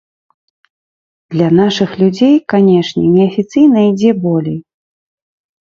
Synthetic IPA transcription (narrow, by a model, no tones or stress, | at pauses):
d̪̥lʲɐnaʂɨxlʲud͡zʲejkanʲɛʂnʲɛ̰nʲɛɐfʲit̪sɨjn̪ɐid͡zʲɛbɔlʲɛj